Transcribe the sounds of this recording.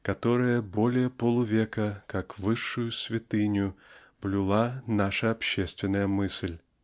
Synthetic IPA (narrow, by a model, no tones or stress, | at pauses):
kɐt̪o̞ɾəjəbo̞lʲɪjəpolˠʊvʲekəkakvɨʂːʊjʊsvʲɪt̪ɨnʲjʊ | b̥lʲɪlˠanaʂəɐpɕːest̪vʲɪnːəjəmɨsʲlʲ